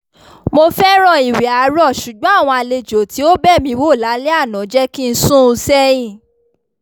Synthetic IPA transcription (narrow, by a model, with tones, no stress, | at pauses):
mo˧fɛ˦ɾ̃ɔ̃˦˨i˨wi˨a˨˦ɾɔ˦˨ʃu˨ɡ͡bɔ̃˨˦a˦˨w̃ɔ̃˧a˧le˧d͡ʒo˨ti˨˦o˦bɛ˦˨mĩ˧˦wo˦˨la˨˦le˦a˦˨nã˨˦d͡ʒɛ˦ki˦˧n̩˦sũ˦˧sɛ˦ĩ˦˨